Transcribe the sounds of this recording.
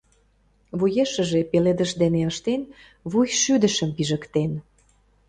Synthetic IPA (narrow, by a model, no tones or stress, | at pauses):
βujeʃə̆ʒepeled̪ə̆ʃd̪eneəʃt̪en | βujʃyd̪ə̆ʃəmpiʒəkt̪en